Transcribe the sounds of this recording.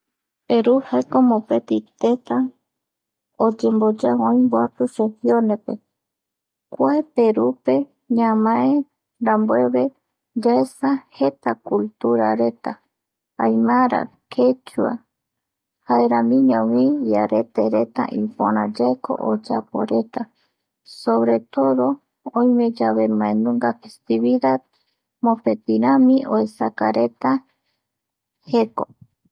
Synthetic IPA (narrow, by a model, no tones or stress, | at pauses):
peɾuhaekomopet̪it̪et̪a | od͡ʒembod͡ʒaõĩmboapuʃehionepe | kʷaepe̞ɾupe̞ | ɲãmãʔẽ | ɾambue̞βe̞ | d͡ʒaesahe̞t̪akult̪uɾaɾe̞t̪a | ãjmãɾa̰ | kʰet͡ʃua̰ | haeɾãmĩɲõwijaɾet̪eɾe̞t̪a̰ʔipõɾãd͡ʒaeko̰ʔod͡ʒapo̰ɾe̞t̪a | soβɾe̞t̪o̞ðo̞ | õj̃mẽd͡ʒaβemãenũŋɡafest̪iβiðad̪ | mõpet̪iɾãmĩʔoesakaɾe̞t̪a | heko